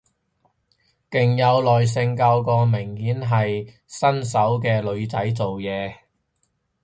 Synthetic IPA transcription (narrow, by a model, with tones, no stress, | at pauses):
kɪ˨˩ŋjɐ˨˧wlɔː˨js̬ɪ˧ŋkɐ˧wkɔː˧mɪ˨˩ŋhiː˨˥nɦɐ˨j | sɐ˥ns̬ɐ˨˥wk̬ɛː˧lɵ˨˧ɥt͡sɐ˨˥jt͡so˨wjɛː˨˧